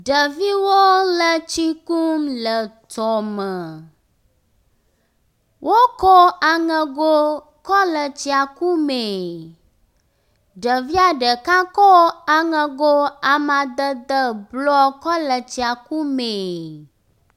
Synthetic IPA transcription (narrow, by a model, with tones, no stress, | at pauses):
ɖə˨vi˦wo˦lə˦t͡ʃt͡ɕi˦ku˦mlə˨t̪ɔ˨mə˨ | wʔo˦kɔ˦a˨ŋə̃˨ɡo˦ | kɔ˦lə˨t͡ɕi˨a˨ku˦me˨ | ɖə˨vi˦a˨ɖə˨ka˦kɔ˦a˨ŋə̃˨ɡo˦a˨mã˨d̪ə˦d̪ə˦blɔ˦kɔ˦lə˨t͡ɕi˨a˨ku˦me˨